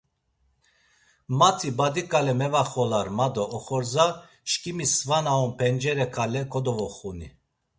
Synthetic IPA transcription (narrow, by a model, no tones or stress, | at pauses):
mat̪ʰibad̪ikʼalɛmɛvaχɔlaɾmad̪ɔʔːχɔɾza | ʃkʼimisvanaɔmpʰɛnd͡ʒɛɾɛkʰalɛkʼɔd̪ɔvɔχuni